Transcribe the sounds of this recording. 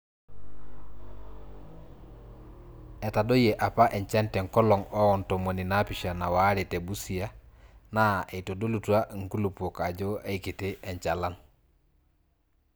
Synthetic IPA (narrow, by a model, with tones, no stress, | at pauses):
e˨ta˨do˦jeʔa˨pa˦ʔe˨ɲt͡ʃa˦nte˨ŋko˦lo˨ŋo˦ɔnto˨mo˨ni˨na˦piʃa˨na˨wa˦ɾe˨te˨bu˦si˨a˦na˦e˨to˨do˦lu˨tu˦a˦ŋ̩˦ku˦lu˨po˨ka˨ɟoe˦ikiti˦ʔe˨ɲt͡ʃalan